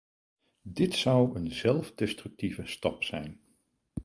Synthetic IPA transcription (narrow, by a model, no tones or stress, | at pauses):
dɪtsʌwənzɛlˠvdɛstrʏk̚tivəstɑpsɛjn